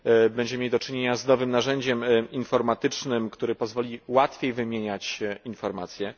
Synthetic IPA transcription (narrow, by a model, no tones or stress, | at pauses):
bɛɲd͡ʑɛmʲjed̪ɔt͡ʂɘɲeɲaznɔvɘmnaʐɛɲd͡ʑɛminfɔɾmat̪ɘt͡ʂnɘmkt̪uɾɘpɔzvɔlʲiwat̪fʲjejvɘmʲjeɲat͡ɕinfɔɾma̰t̪sʲjɛ